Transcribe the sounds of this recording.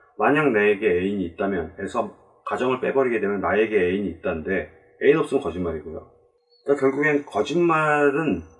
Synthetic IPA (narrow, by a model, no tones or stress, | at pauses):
maɲaŋneeɡe̞eiɲiːt̚t͈amjʌne̞sʰʌ | kad͡ʑʌŋɯɭp͈e̞̰bʌɾiɡe̞dwe̞mjʌnːae̞ɡe̞eiɲiːt̚t͈anɯnde̞ | einʌp̚s͈ɯmɯnkʌd͡ʑinmaɾiɡojo̰ | k͈akjʌɭɡuɡenkʌd͡ʑinmaɾɯn